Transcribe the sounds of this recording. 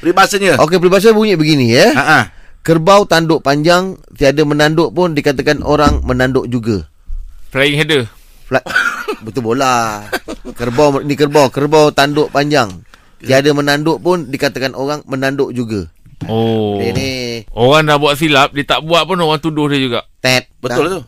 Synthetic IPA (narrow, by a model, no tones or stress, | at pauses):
pɾibasəɲəʔokepəɾibas̬əbuɲɪʔbəɡinijəaakərbawt̪andoʔpaɲd͡ʒaŋt̪iadamənandoʔpʊndikat̪akanʔoɾaŋmənandoʔd͡ʒuɡa | flajɪŋɦedə | flabət̪ubola | kərbawnikərbawkərbawt̪andoʔpaɲd͡ʒaŋ | t̪iadamənandoʔpʊndikat̪akanoɣaŋmənandoʔd͡ʒuɡa | onioɣaŋdahbuaʔ̚s̬ilap̚diət̪aʔbuaʔ̪̚pʊnoɣaŋt̪udʊhdiəd͡ʒuɡaʔt̪ɛt̪̚bətdaʊlt̪o